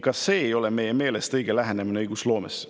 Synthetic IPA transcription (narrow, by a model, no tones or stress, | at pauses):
kɑsːe̞ːjo̞leme̞jeme̞ːle̞st̪ɤjɡ̥elæɦenemineɯjɡ̥uslo̞ːmes